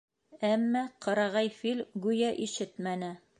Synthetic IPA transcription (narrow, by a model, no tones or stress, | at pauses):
æmːæqʰɤ̆ɾɑʁɑjfilʲɡʉjæʔiʃɘt̪mænɘ